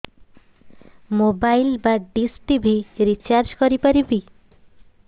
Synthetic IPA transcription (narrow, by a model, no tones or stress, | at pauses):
mobajlbaɖisʈibʱiɾit͡ʃaɾd͡ʒkɔɾipaɾibi